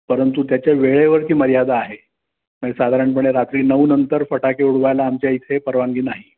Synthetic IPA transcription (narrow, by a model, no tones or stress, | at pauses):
pəɾənt̪ut̪̬jat͡ɕjaʋeɭeʋəɾk̪ʰiːməɾijad̪ʱaːɦe | məɳd͡ʑesad̪ʱaɾəɳpəɳ̃eɾat̪ɾiːnəʋunənt̪əɾfəʈakeuɽ̤ʋajlaːmt͡ɕjait̪ʰepəɾʋaŋɡiːnaɦi